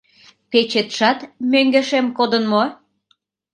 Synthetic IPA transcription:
pet͡ɕet̪ʃɑt̪møŋɡeʃemkod̪ənmo

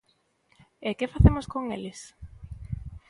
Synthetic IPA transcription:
ekefaθemoskoŋelɪs

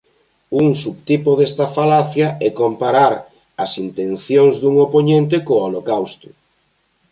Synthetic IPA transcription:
uŋsuβt̪ipoðest̪afalaθjaɛkompaɾaɾ | ɐsint̪en̟θjoŋzðuŋopoɲẽnt̪̬ekoolokawst̪ʊ̥

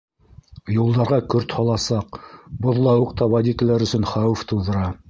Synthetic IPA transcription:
julˠd̪ɑɾʁɑkɵɾt̪hɑlˠɑsɑqbŏðlˠɑwɤqt̪ɑwɑd̪ʲit̪ɘlæɾɵ̆sɵnχɑwɘft̪ŭwðɤ̆ɾɑ

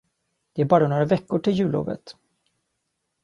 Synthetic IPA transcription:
d̪̥ɛæɾbɑːɾanoːɾavɛkːʊʈʰɪljʉ̟ːlo̰ːvə̰t̪

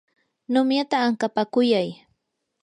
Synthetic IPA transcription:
nʊmjat̪aːŋkapakʊjaj

